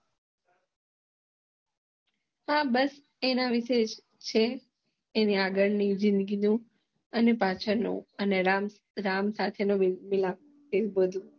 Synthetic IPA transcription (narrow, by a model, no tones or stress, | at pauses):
ɦãbəs | enaʋɪʃed͡ʒ | t͡ʃʰeː | niaɡəɭnid͡ʒɪ̃nd̪əɡinũ | ənepat͡ʃʰənṵ̃əneɾam | ɾamsat̪ʰenoʋmilam̚ | kebəd̪ʱũ